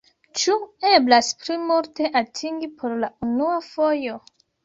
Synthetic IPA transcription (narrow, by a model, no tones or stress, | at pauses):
t͡ʃue̞blasplimulte̞ʔatʰiŋɡipʰo̞ɾlaunuafo̞jo̞